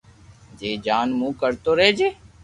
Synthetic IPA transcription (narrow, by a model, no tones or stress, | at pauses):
d͡ʒeːd͡ʒaːnmũːkəɾt̪oːɾeːd͡ʒeː